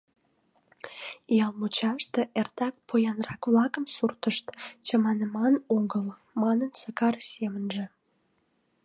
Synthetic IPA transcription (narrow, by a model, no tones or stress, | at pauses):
ijɑlmut͡ɕɑʃt̪eʔert̪ɑk̚pojɑnrɑkβlɑkəmsurt̪əʃt̪t͡ɕəmɑnəmɑnoɡəl | mɑnənsəkɑrsemənʒĕ